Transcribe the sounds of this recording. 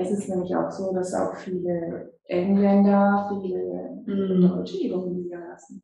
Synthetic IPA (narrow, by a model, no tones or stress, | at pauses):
ʔɪstɛsnɛːmlɪça̰ʊxz̥oːdasa̰ʊxfiːləʔɛŋlɛndɐfiːlə | dɔʏt͡ʃəeːbʊŋənliːdɐlasn̩